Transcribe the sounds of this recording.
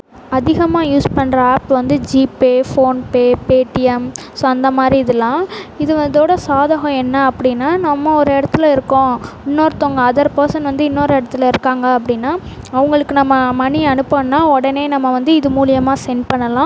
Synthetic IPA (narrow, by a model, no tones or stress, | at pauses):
ɐðɪɣɐmaːjuːspɐɳɾɐaːpːʋɐnd̪ɯd͡ʒiːpeːfoːnpeːpeːʈːɪɛmsoːɐnd̪ɐmaːd̪ɾiɪðɐlːãːɪðɯʋɐnd̪oːɽɐsaːðɐɣɐ̃ɛnːɐːpːɐɽɪnːaːnɐmːɐɔɾɯɛɽɐt̪ːɯlɐɪɾɯkːõɪnːoːɾɯt̪oːŋɡɐɐðɐɾpoːsɐ̃nʋɐnd̪ɯɪnːoːɾɛɽɐt̪ːɯlɐɪɾɯkːaːŋɡɐɐpːɐɽɪnːaː | ɐʋɐŋɡɐɭɯkːɯnɐmːɐmɐnɪɐnɯpːɐnːaːɔɽɐneːnɐmːɐʋɐnd̪ɯɪðɯmuːlɪjɐmaːsɛnpɐɳːɐlãː